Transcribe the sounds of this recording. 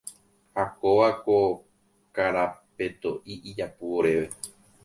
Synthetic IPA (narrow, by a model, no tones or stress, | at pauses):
hakoʋako | kaɾape̞t̪o̞ʔiʔid͡ʒapuoɾe̞ʋe̞